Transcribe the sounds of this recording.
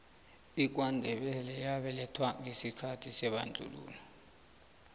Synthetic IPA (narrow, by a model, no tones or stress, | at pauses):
ik̬wandʱɛɓɛlɛjaɓɛlɛtʰwaŋɡesikʰatʰisɛɓand͡ɮʱṵlṵːnɔ